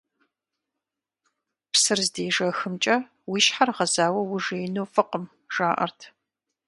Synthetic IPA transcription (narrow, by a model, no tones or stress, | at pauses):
psɨrzdeːʐɐxɨmt͡ʃʼɐ | wiːʃħarʁɐzaːwɐwʊʐeːjnoːfɨqəm | ʒ̥aːʔɐ̰rtʰ